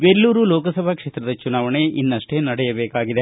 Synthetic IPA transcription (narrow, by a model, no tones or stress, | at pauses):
belːuːɾulɔːkɐsɐbʱɐkʂeːt̪ɾɐd̪ɐt͡ʃunaːʋɐɳeʔinːɐʂʈeːnɐɽɛjɐbeːkaːɡid̪e